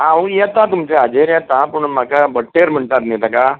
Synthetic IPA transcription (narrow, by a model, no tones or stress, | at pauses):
ãujɛt̪ãt̪umt͡ɕead͡ʑeɾjɛt̪ãpuɳmakabəʈːeɾm̤əɳt̪at̪net̪aka